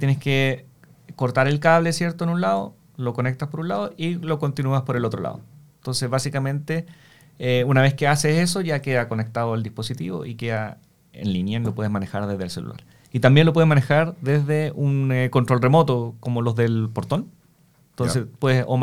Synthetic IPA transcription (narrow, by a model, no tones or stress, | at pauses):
t̪jeneske | ko̞ɾt̪aɾe̞lkaβlesjeɾt̪oenunlaðo̰ | lo̞ko̞nek̚t̪aspoɾunlaðoʔilo̞ko̞nt̪inuaspoɾelo̞t̪ɾolʔa̰ðo̰ent̪o̞nseβasikamẽ̞nt̪e | eunaβe̞skease̞se̞s̬o̞ʝakeðako̞ne̞k̚t̪aðoald̪ispo̞sit̪ḭβo̞̰ʔikeða | ḛnlinjanlopwe̞ðemane̞xaɾðezðelselṵlʔa̰ɾ | it̪ambjenlopwe̞ðemane̞xaɾðezðeuneko̞nt̪ɾo̞lremo̞t̪okomolo̞zðe̞lpo̞ɾt̪o̞n | nt̪onssespweðesom